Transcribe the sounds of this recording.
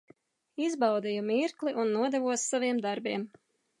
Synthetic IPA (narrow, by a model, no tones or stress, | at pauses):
izbɑwd̪ijumiɾkliʔunːuɔd̪ɛvuɔsːaviɛmd̪aɾbiɛm